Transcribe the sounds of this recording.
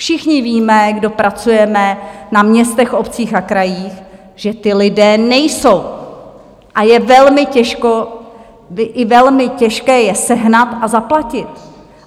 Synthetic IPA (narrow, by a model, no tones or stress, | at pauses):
fʃɪxɲɪviːmɛɡdo̞pɾat͡sujɛmɛnamɲɛst̪ɛxo̞pt͡siːxakɾajiːx | ʒ̥ɛt̪ɪlɪdɛːnɛjso̞w | ʔajɛvɛlmɪcɛʃko | ʔɪvɛlmɪcɛʃkɛːjɛsɛɦnat̪ʔazaplacɪt̪̚